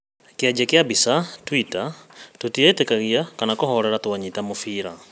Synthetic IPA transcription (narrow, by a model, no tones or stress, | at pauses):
kiad͡ʒakjabisatwitatutiɛtɛkaɣiakanakɔhɔɾɛɾatuaɲitamufiɾa